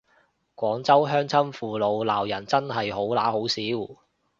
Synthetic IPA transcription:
kʷɔː˨˥ŋt͡sɐ˥wɦœː˥ŋt͡sʰɐ˥mfuː˨lo˨˧wlaː˨˩wjɐ˨˩nt͡sɐ˥nɦɐ˨jɦo˨˥wla̰ː˨˥ho˨˥wsiː˨˥w

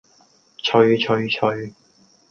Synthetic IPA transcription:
t͡ʃʰɵ˨˧ɥt͡ʃʰɵ˨˧ɥt͡ʃʰɵ˨˧ɥ

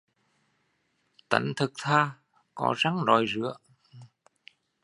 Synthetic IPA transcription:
t̪ə̰˧˩nt̪ʰɨ˨˩k̚t̪ʰaː˧ | kɔ˧˦za˨˦ŋzɔ˨˩jzɨ̰˧˥ə

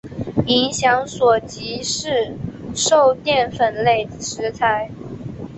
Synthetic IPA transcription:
i˧˥ŋɕjɑ˧˥ŋswɔ˨˩t͡ɕi˧˥ʂɻ̩˥˩ʂo˥˧ʊt̪jɛ˥˩nfə˨˩nle˥˩ɪd̪ə˩ʂɻ̩˧˥t͡sʰa˧˥ɪ

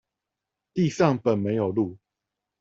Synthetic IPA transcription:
t̪i˥˨ʂɑ˥˨ŋpə˨˩nme˨˦ɪjo˨˩ʊlu˥˨

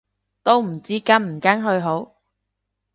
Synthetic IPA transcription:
t̪o˥wm̩˨˩t͡siː˥kɐ˥nm̩˨˩kaː˥nɦɵ˧ɥɦo˨˥w

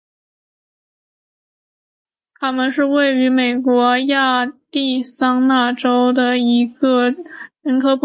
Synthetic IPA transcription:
t̪ʰa˥mə˨nʂɻ̩˥˧we˥˩ɪy˧˥me˨˩ɪkwɔ˧˥ja˥˧t̪i˥˩sɑ˥ŋna˥˩ʈ͡ʂo˥ʊd̪ə˨i˧˥ɡə˧ɻə˧˥nkʰɤ˧˥p

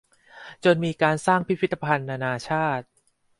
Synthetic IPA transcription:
t͡ɕo˧nmiː˧kaː˧nsaː˥˩ŋpʰi˦pʰi˦˥t̪ːa˧pʰa˧nːaː˧naː˧t͡ɕʰaː˥˩t̪̚

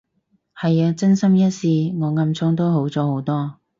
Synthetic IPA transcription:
hɐ˨jaː˧t͡sɐ˥nsɐ˥mjɐ˥t̚siː˧ŋɔː˨˧ŋɐ˧mt͡sʰʊ˥ŋt̪o˥wɦo˨˥wt͡sɔː˨˥ho˨˥wt̪ɔː˥

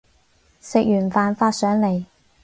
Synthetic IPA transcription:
sɪ˨k̚jyː˨˩nfaː˨˧nfaː˧t̚sœː˨˥ŋle˨˩j

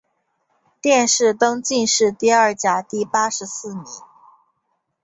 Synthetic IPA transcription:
t̪jɛ˥˧nʂɻ̩˥˩t̪ɤ˥ŋt͡ɕi˥˧nʂɻ̩˥˧t̪i˥˧ɐ˞˥˩t͡ɕja˨˩t̪i˥˩pa˥ʂɻ̩˧˥sɹ̩˥˩mi˧˥n

